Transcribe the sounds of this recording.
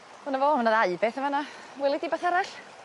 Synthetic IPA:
ənavoːunaðaɨbɛθəmana | wɛlˠɪdibaθaɾaɬ

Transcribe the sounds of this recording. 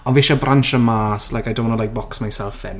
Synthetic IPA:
ɔnviʃabrʔanʃəmaːslˠajkajdʊmnɔlajk̚bɔksmajsɛlˠfɪ̰n

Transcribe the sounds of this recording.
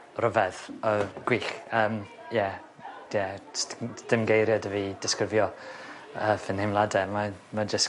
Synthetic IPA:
rɔvɛðəɡ̥wiːɬəːm | jɛ̥ | jɛ̥std̥ɪmɡejɾjɔdəviːd̥ɪskrɪvjɔ | əfɪnɪmlˠadɛmamad͡ʒəs

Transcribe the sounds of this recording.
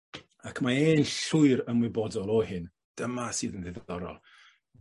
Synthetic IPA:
akʰmaeːnɬʊɨɾəmwɪbɔdɔlˠɔhɪn | d̥əmasɨːðənðɪðɔɾɔ̰lˠ

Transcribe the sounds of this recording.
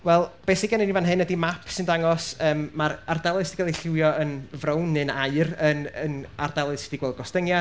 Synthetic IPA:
wɛlˠb̥esiɡaninivanɦɨnːədimapʰsɨndaŋɔsəːmːaɾardɛlˠɨsdiɡəlˠeɬɪwjɔənvrownːɨnaɨrənəna̰rdɛlˠɨsɪdiɡwɛlˠd̚ɡɔstəŋja

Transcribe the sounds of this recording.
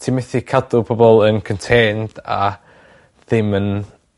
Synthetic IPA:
tʰimɛθikʰadʊbɔbɔlˠənkʰəntʰeːnd̥a̰ | ðɪmən

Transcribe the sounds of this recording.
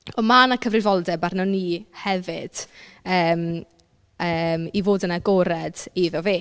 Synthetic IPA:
ɔmanakʰəvrɪvɔlˠdɛbarnɔniːhɛvɨd̥əːm | əːmivoːdənaɡɔɾɛd̥iðɔveː

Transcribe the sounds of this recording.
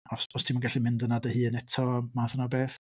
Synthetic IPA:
ɔsɔstʰimanɡaɬimɪndənadəhɨːənɛtʰɔmaθənɔbeːθ

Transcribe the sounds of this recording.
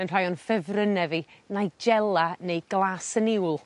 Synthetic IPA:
ənr̥ajɔnfɛvrənɛvinajd͡ʒɛlˠanejɡlˠaːsənɪwlˠ

